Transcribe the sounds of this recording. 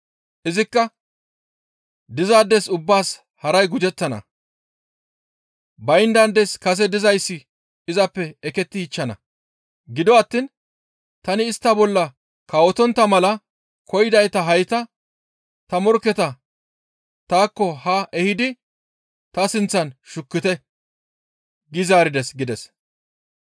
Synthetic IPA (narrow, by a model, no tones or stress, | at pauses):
ʔɪzɪkːɐ | d̪ɪzaːd̪ːɛsʊbːaːs | hɐɾɐjɡʊd͡ʒɛt͡sːɐnɐ̰ | bɐjnd̪ɐnd̪ɛskɐs̬ɛd̪ɪzɐjsːɪ | ɪzɐpːɛɛkɛt̪ːɪhɪt͡ʃːɐnɐ̰ | ɡɪd̪ɔɐt̪ːin | t̪ɐnɪːst̪ːɐbɔlːɐ | kɐwɔt̪ɔnt̪ːɐmɐlɐ | kʰɔjɪd̪ɐjt̪ɐɦɐjt̪ɐ | t̪ɐmɔɾkːɛt̪ɐ | t̪aːkːɔhɐʔɛhɪd̪ɪ | t̪ɐsɪnt͡sːɐnʃʊkːɪt̪ɛ | ɡɪzaːɾɪd̪ɛsɡɪd̪ɛs